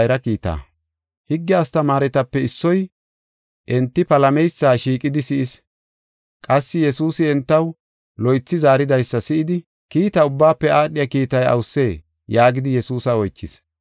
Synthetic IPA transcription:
jɾɐkiːt̪a̰ | hɪɡːɪaːst̪ɐmaːɾɛt̪ɐpːɛɪsːɔj | ʔɛnt̪ːɪpɐlɐmɛjsːaːʃiːkʼɪd̪ɪsɪʔɪs | kʼɐsːɪjɛsuːsɪɛnt̪ːɐw | lɔjt͡sːɪzaːɾɪd̪ɐjsːɐsɪʔɪd̪ɪ | kiːt̪ɐʊbːaːpːɛaːɗɪjɐkiːt̪ɐjɐ̰wsːeː | jaːɡɪd̪ɪjɛsuːsɐɔjt͡ʃːɪs

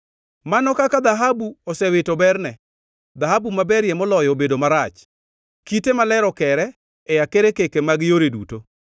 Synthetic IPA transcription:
manɔkakad̪aɦabuɔsɛwɪtobɛrnɛ | d̪ahabumabɛɾjemɔlɔjobedomaɾat͡ʃ | kitemalɛɾɔkɛɾɛ | ɛjakeɾekekemaɡjoɾedṵto

